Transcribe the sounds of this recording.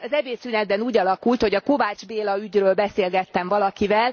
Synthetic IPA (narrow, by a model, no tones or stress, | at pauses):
ɒzɛbeːsyːnɛd̪̚bɛnuːɟɒlɒkult̪ho̞ɟɒko̞vaːd͡ʒbeːlɒyɟrøːlbɛseːlɡɛt̪ːɛɱvɒlɒkivɛl